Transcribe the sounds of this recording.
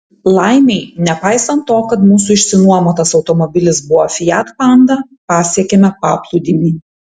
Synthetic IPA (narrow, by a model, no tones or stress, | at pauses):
lˠɐɪnʲɛɪnʲɛpɑɪsɐnt̪ːoːkɐt̪muːsuɪʃʲsʲɪnuɔmoːt̪ɐsɒʊt̪ɔmɔbʲɪlʲɪsbʊʋɔfʲɪjæːt̪pɑnd̪ɐ | pɑːsʲiɛkʲɛmʲɛpɑːplˠud̪ʲɪmʲiː